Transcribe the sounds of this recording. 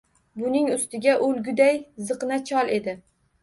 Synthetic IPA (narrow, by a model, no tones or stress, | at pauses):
bʊnɪŋʊst̪ɪɡʲaʔolɡʲʊd̪ajzɨqnat͡ʃʰɒlˠe̞d̪ɪ